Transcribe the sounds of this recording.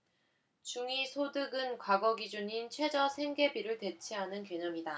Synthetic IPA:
t͡ɕuŋisʰodɯɡɯnkwaɡʌɡid͡ʑuɲint͡ɕʰwe̞d͡ʑʌsʰe̞ŋɡe̞biɾɯɭte̞t͡ɕʰiɦanɯnkjeɲʌmida

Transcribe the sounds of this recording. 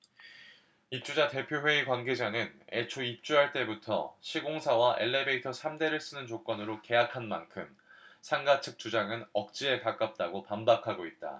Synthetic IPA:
ip̚t͡ɕ͈ud͡ʑate̞pʰjoɸwe̞ikwanɡe̞d͡ʑanɯne̞̰t͡ɕʰoip̚t͡ɕ͈uɦaɭt͈e̞butʰʌ̰ɕʰiɡoŋsʰawaʔe̞ɭːe̞be̞itʰʌsʰamde̞ɾɯɭs͈ɯnɯnt͡ɕok͈ʌnɯɾoke̞jakʰanma̰nkʰɯm | sʰaŋɡat͡ɕʰɯk̚t͡ɕ͈ud͡ʑaŋɯnʌk̚t͡ɕ͈ie̞kak͈ap̚t͈aɡopambakʰaɡoit̚t͈a̰

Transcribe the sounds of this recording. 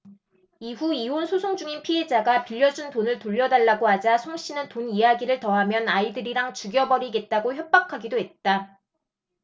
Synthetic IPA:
iɸuionsʰosʰoŋd͡ʑuŋinpʰiɦe̞d͡ʑaɡapiʎːʌd͡ʑuntonɯɭtoʎːʌdaɭːaɡoad͡ʑasʰoŋɕ͈ʰinɯntonijaɡiɾɯɭtʌɦamjʌnaidɯɾiɾaŋt͡ɕuɡjʌbʌɾiɡe̞t̚t͈aɡoçjʌp̚p͈akʰaɡidoɦe̞t̚t͈a

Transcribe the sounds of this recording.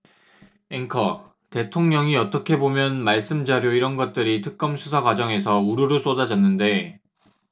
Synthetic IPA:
eŋkʰʌ | te̞tʰoŋɲʌŋiʌt͈ʌkʰe̞bomjʌnmaɭs͈ɯmd͡ʑaɾjoiɾʌnɡʌt̚t͈ɯɾitʰɯk̚k͈ʌmsʰusʰaɡwad͡ʑʌŋe̞sʰʌuɾuɾɯs͈odad͡ʑʌnːɯnde̞

